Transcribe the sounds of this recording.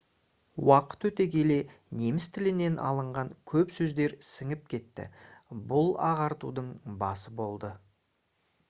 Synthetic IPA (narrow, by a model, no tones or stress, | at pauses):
wɑqə̥t̪wɵt̪e̞kʲʰe̞le̞ | ne̞mɪst̪ʰɪlɪne̞nʔɑ̰lˠəɴʁɑŋkʲʰɵpsɵzd̪e̞ɾsɪŋɪp̚kʲʰe̞t̪ːɪ̰bʊlˠɑ̰ʁɑɾt̪ud̪əɴbɑsəbo̞lˠd̪ə